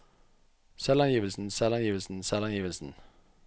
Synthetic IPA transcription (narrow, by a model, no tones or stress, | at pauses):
sɛlɑnjiːʋəlsn̩sɛlɑnjiːʋəlsn̩sɛlɑnjiːʋəlsn̩